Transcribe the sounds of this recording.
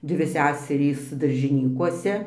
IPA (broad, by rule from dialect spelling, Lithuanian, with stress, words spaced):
ˈdʲʋʲɪ ˈsʲæːsʲɛrʲiːs dɐrʲʒʲɪˈnʲiːkuɔsʲɛ